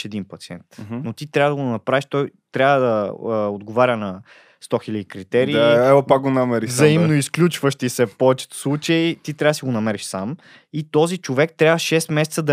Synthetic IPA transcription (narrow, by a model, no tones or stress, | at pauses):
ɛd̪inpɐt̪siɛnt̪not̪it̪ɾʲavəd̪ɐɡ̪nɐpɾaviʃt̪ɔjt̪ɾʲavəd̪ɐod̪ɡovaɾʲənɐ | st̪ɔxilʲɐd̪ikɾit̪ɛɾiːɛvopak̚ɡonamɛɾizɐimnoisklʲut͡ʃvəʃt̪isɛpɔɛt͡ʃɛ̥t̪slˠut͡ʃəjt̪it̪ɾʲavəd̪siɡonɐmɛɾiʃsam | it̪ɔzit͡ʃovɛkt̪ɾʲavəʃɛst̪mɛsɛt̪səd̪ɐ